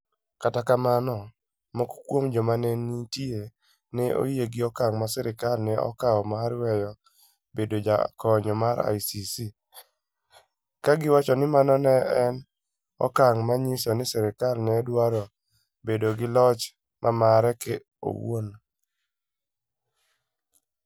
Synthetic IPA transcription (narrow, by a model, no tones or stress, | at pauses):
katakamanɔ | mɔkkwomd͡ʒɔmanɛnitie | nɛʔo̰jieɡɪɔkaŋmasɛɾɪkalnɛɔ̰kaɔmaɾwɛjɔ | bedod͡ʒa̰kɔɲɔmaɾa̰jsisi | kaɡɪwat͡ʃɔnɪmanɔnɛɛn | ɔ̰kaŋmaɲɪsɔnɪsɛɾɪkalnɛdwaɾo | bedoɡɪlɔt͡ʃ | mʔamaɾɛkɛ | o̰wo̰n